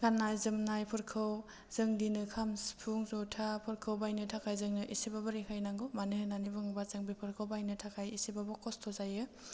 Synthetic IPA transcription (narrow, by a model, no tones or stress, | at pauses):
ɡanːajzɯmnajpʰɯɾkʰɯw | z̥ɯŋdinɯkʰamspʰuŋzutʰapʰɯɾkʰɯwbajnɯtʰakʰajzɯŋnɯʔisibabɯɾikʰajnaŋɡumanɯhɯnanibɯŋbazɯŋbipʰɯɾkʰɯwbajnɯtʰakʰajisibabɔkɔstʰɔzajɯ